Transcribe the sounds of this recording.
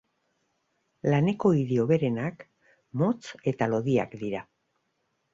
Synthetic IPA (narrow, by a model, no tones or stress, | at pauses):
lane̞ko̞iðeo̞βe̞ɾe̞nak | mo̞t͡se̞t̪alo̞ðia̰kd̪iɾa